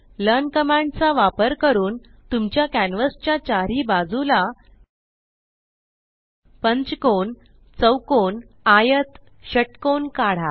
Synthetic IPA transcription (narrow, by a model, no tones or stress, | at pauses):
lənkəmãɳɖt͡saʋapəɾkəɾuːn | t̪umt͡ɕjakænʋəst͡ɕjat͡ɕaɾiːbad͡zula | pəɲt͡skon | t͡səwkon | ajət̪ | ɕəʈkonkaɽ̤a